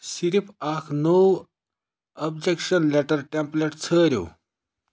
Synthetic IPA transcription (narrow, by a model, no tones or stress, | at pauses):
siɾipʰakʰnəw | əbd͡ʑekɕənlɛʈəɾʈẽmpleʈt͡sʰəɾjo̰